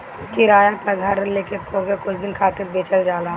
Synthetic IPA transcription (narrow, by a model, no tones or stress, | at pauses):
kɪɾaːjapɐɡʱɐɾleːkekoːkekʊt͡ʃʰd̪ɪnkʰaːt̪ɪɾbeːt͡ʃəld͡ʒaːlaː